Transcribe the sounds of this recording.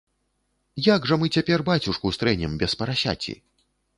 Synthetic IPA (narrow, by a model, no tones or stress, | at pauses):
jaɡʐɐmɨt͡sʲapʲɛrbat͡sʲuʂkust̪ɾɛnʲɛmbʲɛspɐɾasʲa̰t͡sʲḭ